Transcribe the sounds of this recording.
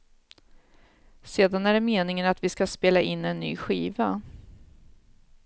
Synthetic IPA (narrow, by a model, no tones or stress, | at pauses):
seːd̪anæɖɛmeːnɪŋənat̪vɪskaspeːlaʔɪnːɛnːy̰ːɧiːva